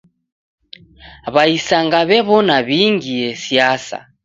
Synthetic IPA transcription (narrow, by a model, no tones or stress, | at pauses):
βaisaŋɡaβɛβɔnaβiŋɡiɛsiasa̰